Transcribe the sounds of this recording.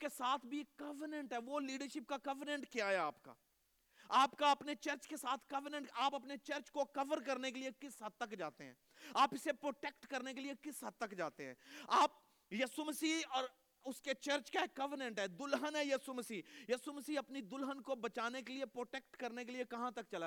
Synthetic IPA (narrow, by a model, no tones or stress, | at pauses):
kesaːt̪ʰbʱieːkːɐʋənə̃ɳʈɦɛːʋoliːɖəɾʃɪp̚kakɐʋəɾnə̃ɳʈkijaɦɛaːpka̰ː | aːpkaɐpnet͡ʃɐɾt͡ʃkesaːt̪ʰkɐʋənə̃ɳʈaːpɐpnet͡ʃɐɾt͡ʃkokɐʋəɾkɐɾnekeliekɪsɦɐt̪ːəkd͡ʒaːt̪eɦɛ̰̃ːaːpɪsepɾoːʈeːkʈkɐɾnek̬eliekɪsɦɐd̪̚t̪ːɐkd͡ʒaːt̪eɦɛ̃ːaːp̚ | jɐːsuməsiːɔːɾ | ʊsket͡ʃɐɾt͡ʃkaɦkːɐʋənə̃ɳʈɦɛːd̪ʊlɦənɦɛjɐːsuməsiːjɐːsuməsiːɐpnid̪ʊlɦənkobɐt͡ʃaːnek̬eliepɾoːʈeːk̚ʈkɐɾnekeliekɐɦãt̪ɐkt͡ʃɐla